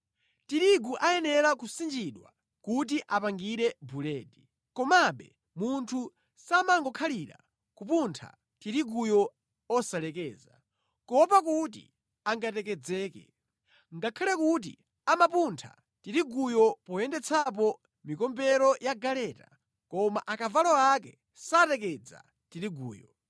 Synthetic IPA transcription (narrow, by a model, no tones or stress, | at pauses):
tiɾiɡuʔajɛnɛɾakusind͡ʒiɗwa̰ | kut̬iʔapaŋɡiɾɛbulɛːdi | kɔmaɓɛ | muntʰu | samaŋɡɔkʰaliːɾa̰ | kupuntʰa̰ | tiɾiɡujɔ | ɔsalɛkɛːza | kɔpakut̬ḭ | aŋɡatɛkɛd͡zɛːkɛ̰ | ŋɡakʰalɛkut̬ḭ | amapuntʰa̰ | tiɾiɡujɔpɔjɛndɛt͡sʰap̬ɔ | mikɔmbɛɾɔjaɡalɛːta̰ | kɔmaʔakavalɔakɛ | satɛk̬ɛd͡za̰ | tiɾiɡṵːjɔ